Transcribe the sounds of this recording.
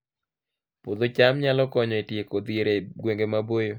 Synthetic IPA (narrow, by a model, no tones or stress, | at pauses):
pod̪ot͡ʃamɲalɔkɔɲɔetjekod̪ieɾeɡweŋɡemabojo